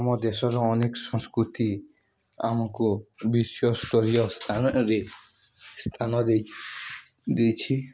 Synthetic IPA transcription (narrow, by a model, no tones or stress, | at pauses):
amɔd̪eʃɔɾɔɔnekʃɔ̃ŋskɾut̪i | amakobiʃjost̪ɔɾijɔst̪aɾe | st̪ʰanɔd̪ | d̪ejt͡ɕʰi